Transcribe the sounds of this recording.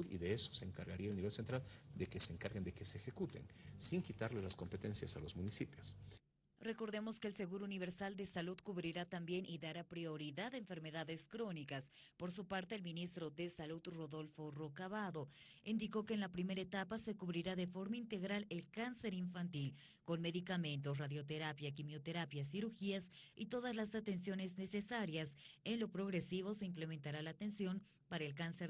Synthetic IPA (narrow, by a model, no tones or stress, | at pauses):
ðḭðeeso̥seːŋkaɾɣaɾiaelniβe̞lsent̪ɾald̪ekeseːŋkaɾɣend̪ekeseːxekut̪ḛnsiŋkit̪aɾlezlasko̞mpet̪ensjasalo̞zmunisipjos | re̞ko̞ɾðe̞mo̞skeːlse̞ɣuɾouniβ̞e̞ɾsald̪e̞salud̪kuβɾiɾat̪ambje̞nʔiðaɾapɾio̞ɾiðaðeɱfe̞ɾme̞ðaðe̞skɾo̞nikas | po̞ɾsupaɾt̪e̞ːlminist̪ɾo̞ðe̞salud̪ro̞ðo̞lfo̞rokaβaðo̞ | ind̪iko̞ke̞ːnlapɾime̞ɾaet̪apase̞kuβɾiɾaðe̞fo̞ɾmaint̪e̞ɣɾale̞lkanse̞ɾiɱfant̪il | ko̞nme̞ðikamẽ̞nt̪̬o̞s̬raðjo̞t̪e̞ɾapjakimjo̞t̪e̞ɾapjas̬iɾuɾxiasḭt̪o̞ðazlasat̪e̞nsjo̞ne̞zne̞se̞saɾjase̞nlo̞pɾo̞ɣɾe̞siβo̞se̞imple̞ment̪aɾalaːt̪e̞nsjo̞n | paɾaelkanseɾ